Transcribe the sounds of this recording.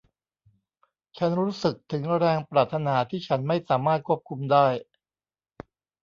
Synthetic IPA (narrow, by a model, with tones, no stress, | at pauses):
t͡ɕʰa˦˥nɾuː˦˥sɯ˨˩k̚t̪ʰɯ˩˦ŋɾɛː˧ŋpɾaː˨˩t̪ʰːa˧naː˩˦t̪ʰiː˥˩t͡ɕʰa˦˥nma˥˩jsaː˩˦maː˥˩t̪̚kʰu˥˩əp̚kʰu˧mdaː˥˩j